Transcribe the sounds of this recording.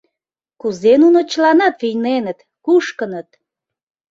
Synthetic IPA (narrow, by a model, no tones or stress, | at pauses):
kuzenunot͡ɕlɑnɑt̪vijnenət̪ | kuʃkənət̪̚